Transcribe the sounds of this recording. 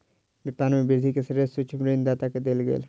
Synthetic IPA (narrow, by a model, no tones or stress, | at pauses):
ɡɪɾt̪aːnmẽbɪɾd̪ʱikesəɾesʊt͡ʃʰmɾeːnd̪aːt̪aked̪elɡḛːl